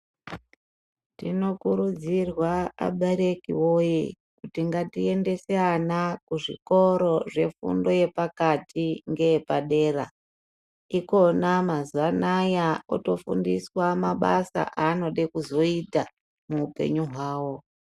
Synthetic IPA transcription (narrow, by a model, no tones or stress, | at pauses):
tino̞kuɾud͡zirwaa̰ɓeɾe̞kiwo̞je | kutiŋɡatie̞nde̞seanakuʐḭko̞ɾo̞ʐe̞fṵndo̞je̞pakatʰiŋɡe̞jepaɗe̞ːra̰ | iko̞namazuʋanajao̰to̞fṵndiswamaɓasa̰ʔano̞ɗekuzo̞ita | muupe̞̰ɲuɦwaːwo̞